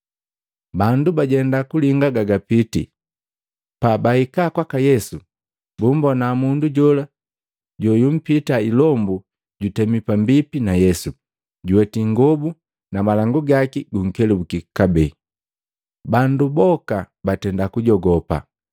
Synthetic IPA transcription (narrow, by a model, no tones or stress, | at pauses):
bandubaɟɛndakuliŋɡaɡaɡapitḭ | pabahikakwakajɛsu | bumbɔnamunduɟɔla | ɟɔjum̩pitailɔmbu | ɟutɛmipambipinajɛsu | ɟuwɛtiŋɡɔbu | namalaŋɡuɡakiɡuŋ̩kɛlɛbukikabɛ | bandubɔka | batɛndakuɟɔɡɔpa̰